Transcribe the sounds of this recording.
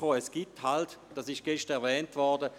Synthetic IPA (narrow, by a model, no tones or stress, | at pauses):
oːɛsɡ̥ithaltd̥asɪʃ̚ɡ̥ɛʃtəɛɐvɛːntvɔʁdə